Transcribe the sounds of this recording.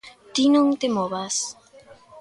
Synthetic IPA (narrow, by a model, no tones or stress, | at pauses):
t̪inoŋt̪emoβas